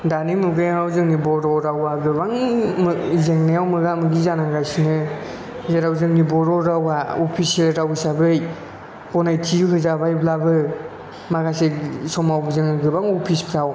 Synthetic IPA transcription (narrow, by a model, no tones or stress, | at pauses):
danimuɡɯjŋawzɯŋnibɔɾɔɾawaɡɯbaŋmzeŋnajawmɯɡamɯɡizanaŋɡajsinɯ | zeɾawzɯŋnibɔɾɔɾawaɔpʰiselɾawsabɯj | pɔnajtʰijuɦɯzabajblabɯ | maɡasesɔmawbzɯŋɯɡɯbaŋɔpʰispʰɾaw